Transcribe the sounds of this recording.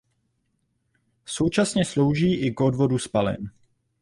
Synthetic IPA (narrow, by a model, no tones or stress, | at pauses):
so̞wt͡ʃasɲɛslo̞wʒiːʔɪɡodvo̞duspalɪ̰n